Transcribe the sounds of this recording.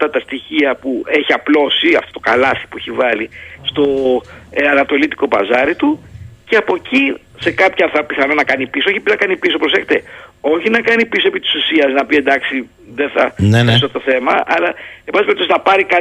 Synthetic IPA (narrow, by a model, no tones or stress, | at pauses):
ɐft̪ɐt̪ɐst̪içiɐpue̞çiɐplo̞siɐ̰ft̪ot̪o̞̥kɐ̰lɐθi̥pueçivɐlist̪o̞ | ɐnɐt̪o̞lit̪i̥ko̞pɐ̰zɐɾit̪uceɐpo̞ci | se̞kɐpçɐθɐpiθɐno̞nɐkɐnipisooçipnɐkɐnipisopɾosexe̥t̪e̞o̞çinɐkɐnipiso̞e̞pit̪i̥susiɐznɐpie̞nd̪ɐksi | ðenθɐnesot̪oθe̞mɐɐ̰lɐebɐis̬peɾpt̪oznɐpɐɾikɐ